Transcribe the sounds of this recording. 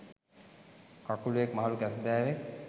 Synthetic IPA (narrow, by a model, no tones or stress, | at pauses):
kakuluekmaɦalukɛsbɛːɾe